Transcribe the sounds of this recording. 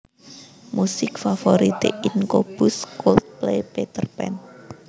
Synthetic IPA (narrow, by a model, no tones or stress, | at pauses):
musɪkfafoɾit̪ḛʔɪnkob̥ʊskolt̪̚plejpet̪ərpɛ̰n